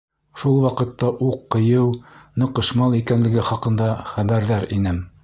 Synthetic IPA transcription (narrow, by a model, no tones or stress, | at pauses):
ʃulˠwɑqɤ̆t̪ːɑʔuqːɤ̆jɤwnɤ̆qɤ̆ʃmɑlˠikænlɘ̆ɡɘχɑqɤ̆nd̪ɑχæβæɾðæɾinɘm